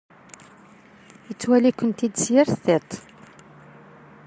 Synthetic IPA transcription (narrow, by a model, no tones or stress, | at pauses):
jət͡sːwælikʷːənt̪id̪sjɪɾθet̪ˤ